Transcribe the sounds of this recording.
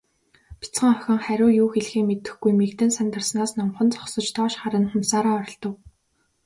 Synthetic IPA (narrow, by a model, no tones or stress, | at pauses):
pʰi̥t͡sχə̆ŋœxʲɪ̆ŋχæɾʲʊːjuːxeɮxiːŋmet̪ɘ̆xɡujmekt̪ɘ̆nsant̪ə̆rsnaːsnɔmχɞ̆nt͡sɔ̥ksɞ̆t͡ɕt̪ʰɔːʃχaɾə̆nχʊmsaːɾaːɔɾʲɞ̆ɮt̪ɞ̆w